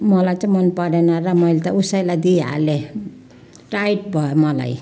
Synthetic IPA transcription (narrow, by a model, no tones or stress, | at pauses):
mʌlajt͡sãmʌnpʌɾenaɾamʌjlet̪ausajlajd̪ia̰le | ʈajʈ̚bʱʌemʌla̰j